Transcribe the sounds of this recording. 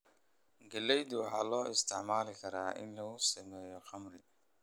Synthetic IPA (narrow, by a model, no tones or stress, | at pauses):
ɡɐlɛjd̪ʊwɑħɑːlɔːɪst̪ʰɪʕmaːlɪkʰɐɾaːʔɪ̰nlɐʊsɐmɛːjɔχɑmrɪ